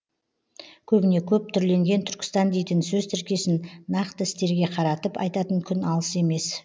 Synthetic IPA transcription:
kʲʰɵbɪne̞kʲʰɵp̚t̪ʰʏɾle̞ŋɡʲe̞nt̪ʰʏɾkʲɪ̥st̪ɑnd̪e̞jt̪ɪnsɵzt̪ʰɪɾkʲe̞sɪnːɑqt̪əɪst̪e̞ɾɡʲe̞qʰɑɾɑt̪əpɑ̰jt̪ɑt̪əŋkʲʰʏnɑlˠəse̞me̞s

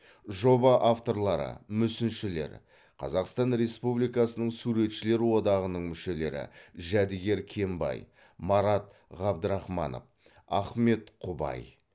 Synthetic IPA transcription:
ʒo̞bɑʔaft̪o̞ɾlˠɑɾə̰mʏsɪnʃɪle̞̰ɾ | qʰɑ̰zɑqst̪ɑnɾe̞spublijkɑsənəɴsuɾe̞t̪ʃɪle̞ɾwo̞d̪ɑʁənəɴmʏʃe̞le̞ɾɪ̰ʒæd̪ɪɡʲe̞ɾkʲʰe̞mbɑ̰j | mɑɾɑt̪ | ʁɑb̚d̪əɾɑχmɑ̰no̰f | ɑχme̞t̪qʰʊbɑ̰j

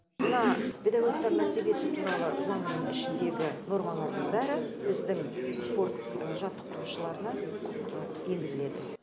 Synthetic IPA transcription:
mənɑpʰʲe̞d̪ɑɡo̞k̚t̪ɑɾmæɾt̪e̞be̞sɪt̪ʰunɑʁəzɑnnəŋɪʃɪnd̪e̞ɡʲɪno̞ɾʁɑnɑd̪əɴbæɾɪbɪzd̪ɪŋspo̞rt̪ʒɑt̪ːə̥q̚t̪ʰʊɾuʃəlˠɑɾənɑ | e̞lɡʲɪzɪle̞d̪ɪ

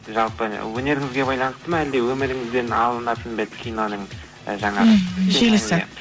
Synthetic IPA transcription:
ʒɑlˠpəwɵne̞ɾɪŋɪzɡʲe̞bɑjlˠɑnəst̪əmɑæld̪e̞wɵmɪɾɪŋɪzbenɑlˠənɑt̪ənbet̪kʲʰijno̞nəɴ̰ | ʒɑɴɑʒelɪsɪ

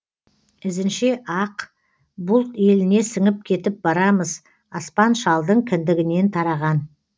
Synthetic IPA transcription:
ɪzɪnʃeʔɑq | bʊlˠt̪je̞lɪne̞sɪŋɪp̚kʲʰe̞t̪ɪp̚bɑɾɑməz | ɑspɑnʃɑlˠd̪əɴkʲʰɪnd̪ɪɡʲɪne̞nt̪ʰɑɾɑʁɑn

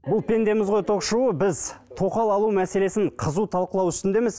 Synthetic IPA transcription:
bʊlˠpʲʰe̞nd̪e̞mɪzʁo̞jt̪ʰo̞qʃuwəbɪzt̪ʰo̞qɑlˠɑlˠumæse̞le̞sɪɴqʰəzut̪ʰɑlˠqəlˠɑwʏst̪ɪnd̪e̞mɪz

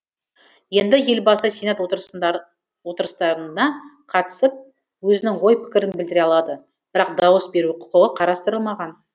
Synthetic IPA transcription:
je̞nd̪ɪje̞lbɑsəsejnɑt̪wot̪ɾ | wo̞t̪əɾəst̪ɑɾənɑ | qʰɑt̪ə̥səp̚ | wɵzɪnɪŋwo̞jpʰɪ̥kʲɪɾɪnbɪld̪ɪɾeɑlˠɑd̪ə | b̥ɪɾɑq̚d̪ɑwəsbe̞ɾuqʰʊ̥qəʁəqʰɑɾɑst̪əɾəlˠmɑʁɑn

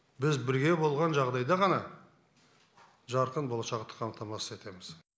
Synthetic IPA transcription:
bɪzbɪɾɡʲe̞bo̞lˠʁɑnʒɑʁd̪ɑjd̪ɑʁɑnɑ | ʒɑɾqənbo̞lˠɑʃɑqt̪ə̥qʰɑmt̪ɑmɑsə̥ze̞t̪e̞mɪz̥

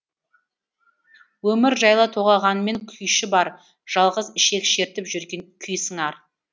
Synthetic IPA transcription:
wɵmɪɾʒɑjlˠɑt̪ʰo̞ʁɑʁɑnəme̞ŋkʲʰʏjʃɪbɑɾ | ʒ̥ɑlˠʁəzɪʃe̞kʃe̞ɾt̪ɪpʒʏɾɡʲeŋkʲʰʏjsəŋɑɾ

